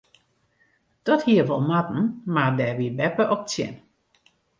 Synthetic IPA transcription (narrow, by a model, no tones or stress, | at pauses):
d̥ɔthiəʋɔlˠmatn̩madɛʋiəbɛpəʔɔk̚t͡sjɛ̰n